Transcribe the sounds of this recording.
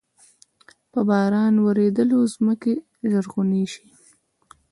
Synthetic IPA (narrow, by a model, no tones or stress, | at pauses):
pəbɑɾɑnwəɾed̪əlozməke | ʒəɾɣuniʃi̥